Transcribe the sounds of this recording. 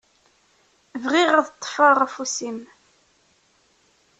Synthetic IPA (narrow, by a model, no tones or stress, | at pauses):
vʁiʁaðət̪ˤːfɑʁæfusim